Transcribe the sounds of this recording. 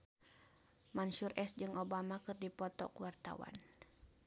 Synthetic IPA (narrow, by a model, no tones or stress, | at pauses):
manʃurʔɛsd͡ʒɨŋobamakɨrdipɔt̪ɔ̰kuwart̪a̰wa̰n